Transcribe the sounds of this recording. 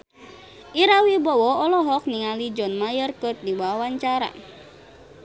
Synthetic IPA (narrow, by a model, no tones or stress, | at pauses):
ʔiɾawibɔwɔɔlɔɦɔk̚niŋalid͡ʒɔnmajərkət̪̚diwawawaɲt͡ʃaɾa̰